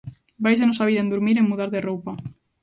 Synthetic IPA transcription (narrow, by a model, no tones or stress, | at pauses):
bajsenɔsaβiðɐẽnd̪uɾmiɾeŋmuðaɾðerowpa